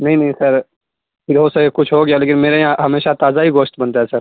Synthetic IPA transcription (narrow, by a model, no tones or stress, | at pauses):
nɐɦĩnɐɦĩsɐɾ | pʰɪɾɦoːsɐekʊt͡ʃʰɦoɡɐjaleːkɪnmeːɾajãɦɐmeːʃat̪aːzaɦiɡoːʃt̪bɐnt̪aɦɛsɐɾ